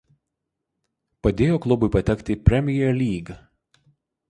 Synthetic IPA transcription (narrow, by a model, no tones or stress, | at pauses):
pɐd̪ʲeːjoːklˠʊbʊɪpɐt̪ʲɛkʲt̪ʲɪpʲɾʲɛmʲɪjɛlʲiːɡ